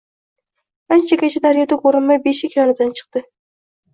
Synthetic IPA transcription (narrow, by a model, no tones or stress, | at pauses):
ant͡ʃʰakʲat͡ʃʰad̪aɾjɒd̪akʰoɾɨnmajbeʃɪkʲʰjɒnɨd̪ant͡ʃʰɨ̥q̚t̪ɨ